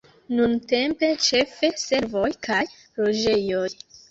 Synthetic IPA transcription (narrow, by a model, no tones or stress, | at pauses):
nunte̞mpe̞t͡ʃe̞fe̞se̞ɾvo̞jkaj | lo̞d͡ʒe̞jo̞j